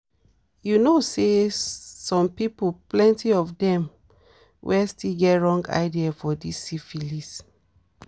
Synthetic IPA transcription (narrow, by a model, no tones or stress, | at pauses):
junose | sɔ̃mpipoplɛ̃ntiɔfdɛ̃m | wʔɛstilɡɛtɹɔ̃ŋɡa̰ɪdiafɔdisifilis